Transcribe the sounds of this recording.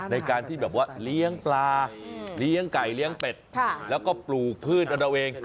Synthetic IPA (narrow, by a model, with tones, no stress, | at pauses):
na˧jkaː˧nt̪ʰiː˥˩ɛː˨˩p̚waː˥˩li˦˥əŋplaː˧li˦˥əŋka˨˩jli˦˥əŋpe˨˩t̪̚ʰlɛː˦˥wkɔː˥˩pluː˨˩k̚pʰɯː˥˩t̪̚ʔa˧ɾa˧wʔeː˧ŋ